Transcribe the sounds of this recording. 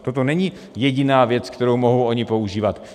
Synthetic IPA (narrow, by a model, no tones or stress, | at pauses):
t̪o̞t̪̬o̞nɛɲi | jɛɟɪnaːvjɛt͡skt̪ɛɾowmoɦowʔoɲɪpo̞uʒiːvat̪